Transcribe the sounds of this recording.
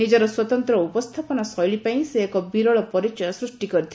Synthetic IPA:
id͡ʒɔɾɔswɔt̪ɔnt̪ɾɔupɔst̪ʰapɔnasɔjɭipaĩseːkɔbiɾɔɭɔpɔɾit͡ʃɔjɔsɾusʈikɔɾit̪ʰ

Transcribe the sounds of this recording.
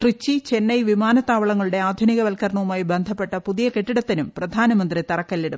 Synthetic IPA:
ʈrit͡ɕːit͡ɕe̞nːɐjʋimaːnɐt̪ːaːʋɐɭɐŋːɐɭuɽe̞aːd̪ʱuniɣɐʋɐlkɐrɳɐʋumaːjibend̪ʱɐpːe̞ʈːɐpuðijɐkeʈːiɽɐt̪ːinumprɐd̪ʱaːnɐmɐnd̪rit̪ɐrɐkːɐlːiɽu

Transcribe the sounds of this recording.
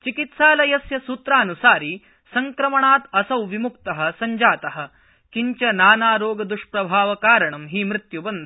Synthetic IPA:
t͡ʃikit̪saːlɐjɐsjɐsut̪ɾaːnusaːɾi | sɐŋkɾɐmɐɳaːt̪ɐsɐwʋimukt̪ɐɦɐ̆sɐɲd͡ʒaːt̪ɐɦɐ̆ | kiɲt͡ʃɐnaːnaːɾoːɡɐd̪uʂpɾɐbʱaːʋɐkaːɾɐɳɐmɦiːmɾɪt̪jubɐnd̪

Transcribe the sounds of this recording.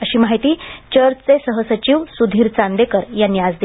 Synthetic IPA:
əɕiːmaɦit̪iːt͡ɕəɾt͡sesəɦəsət͡ɕiːʋsud̪ʱiːɾt͡sand̪ekəɾjanjad͡zd̪e

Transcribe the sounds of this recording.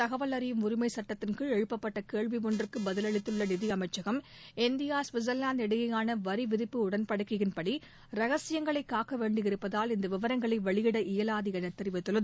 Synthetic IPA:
t̪ɐɣɐʋɐlɐɾɪjɯmʊɾɪmɐɪsɐʈːɐt̪ːɪnkɯɭɛɻɯpːɐpːɐʈːɐkeːɭʋimɔndrɯkːɯbɐðɪlɐɭɪt̪ːɯɭːɐnɪðɪjɐmɐɪt͡ʃːɐɣɐm | ɛnd̪ɪjaːsʋɪzɐlːaːnd̪ɛɽɯɣɐjaːnɐʋɐɾiʋɪðɪpːɯʊɽɐnpɐɽɯkːɪɣɪnpɐɽi | ɾɐɣɐsɪjɐŋɡɐɭɐɪkːaːkːɐʋeːɳɖɪɪɾɯpːɐðaːlɪnd̪ɐʋɪʋɐɾɐŋɡɐɭɐɪʋɐɭɪɣɪɽɐʔɪjɐlaːðɪɣɐnɐt̪ːɐɾɪʋɐt̪ːɯlɐð

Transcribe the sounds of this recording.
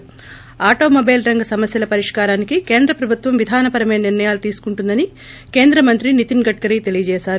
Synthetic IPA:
aːʈo̞ːmobeːlɾɐŋɡɐsɐmɐsjɐlɐpɐɾiʂkaːɾaːnikike̞ːnd̪ɾɐpɾɐbʱut̪ʋɐmʋid̪ʱaːnɐpɐɾɐmeːɐniɾnɐjaːlut̪iːsu̥kuɳʈund̪ɐni | ke̞ːnd̪ɾɐmɐnt̪ɾinit̪iŋɡɐʈ̚kɐɾiːt̪e̞lijɐd͡ʒɛːʃaːɾu

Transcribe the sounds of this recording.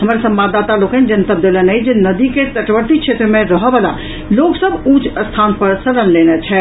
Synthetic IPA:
ɦəməɾsəmbad̪ːat̪alokə̃nd͡ʒənt̪əb̚d̪elənəjd͡ʒenəd̪iket̪əʈbəɾt̪it͡ʃʰet̪ɾəmẽɾəɦɔbəla | loksəbut͡ʃʰəst̪ʰanpəɾsəɾənlenɛt͡ʃʰɛ

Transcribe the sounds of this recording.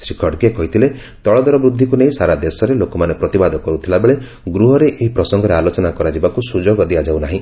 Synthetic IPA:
sɾikʰɔʈkekɔɦit̪ʰile | t̪ɔɭɔd̪ɔɾɔbɾud̪ʱːikuneĩsaɾad̪esɔɾelokɔmanepɾɔt̪ibad̪ʱɔkɔɾut̪ʰilabeɭe | ɡɾuɦɔɾeʔeɦipɾɔsɔŋɡɔɾealot͡ʃɔnakɔɾad͡ʒibakusud͡ʒoɡɔd̪ijad͡ʒawnaɦĩ

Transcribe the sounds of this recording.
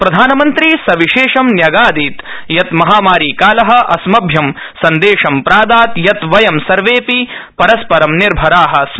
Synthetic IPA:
pɾɐd̪ʱaːnɐmɐnt̪ɾisɐʋiʃeːʂɐmnjɐɡaːd̪iːt̪ | jɐt̪mɐɦaːmaːɾiːkaːlɐɦɐ̆ʔɐ̰smɐbʱjɐm | sɐnd̪eːʂɐmpɾaːd̪aːt̪jɐt̪ʋɐjɐmsɐɾʋeːpipɐɾɐspɐɾɐmniɾbʱɐɾaːɦɐ̆s

